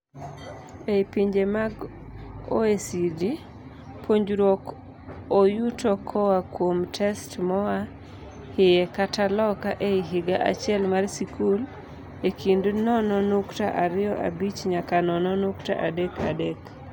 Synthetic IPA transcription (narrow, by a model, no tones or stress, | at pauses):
epiɲd͡ʒemaɡ | o̰esidi | pʰoɲd͡ʒɾok | ojutɔkʰɔwakwomtʰɛstmɔwa | hɪjɛkatalɔkaʔeɪɦɪɡaʔa̰t͡ʃɪɛlmarsikʰul | ekʰindnɔnɔnuktaʔaɾɪjɔʔa̰bit͡ʃɲakanɔnɔnʊkta̰ʔadekʰa̰dek